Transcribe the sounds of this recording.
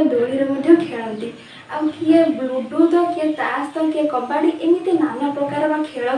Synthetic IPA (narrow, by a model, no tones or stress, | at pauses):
d̪oɭiɾemɔd̪ʱjɔkʰeɭɔnt̪i | awkiebuɖud̪ɔkiɛt̪ast̪ɔkiekɔbaɽiʔemit̪enanɔpɾɔkaɾɔmakʰeɭɔ